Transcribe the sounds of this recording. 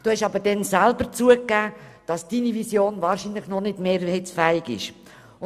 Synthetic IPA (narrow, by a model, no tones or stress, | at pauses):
d̥uːhɛʃɑbəɾd̥ɛnsælbəɾt͡suəkːæːd̥ɑsd̥inivisjoːnvɑːɾʃinləχnɔnɪdmeːɾhɛɪt͡sfæːɪɡɪ̰ʃ | ʊ